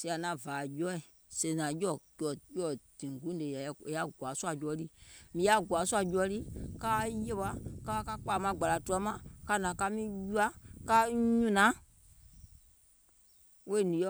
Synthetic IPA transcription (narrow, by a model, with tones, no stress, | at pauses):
si˧˦a˨nã˨vaː˨jɔ˦i˨ | se˨˧˨nã˨jɔ˦˨kɔ˨jɔ˦˨d̥ĩ˨ŋ˨ɡũ˦de˨ja˨e˨ja˦ɡwa˨˦su˦a˧˨d͡ʒu˦ɔ˧˦li˦mĩ˧˦a˦˨ɡwa˨˦su˦a˧˨d͡ʒu˧˦ɔ˧˦li˦ka˦je˦ɓa˧˦ka˦ka˦k͡pa˨mã˧˦ɡ͡ba˨la˨tu˦˧ɔ˧˦mã˨ka˧nã˨ka˧˦mĩ˦ju˦a˦ka˦ɲũ˦˨nã˨˦ | we˦˨nĩ˨˦ɔ˦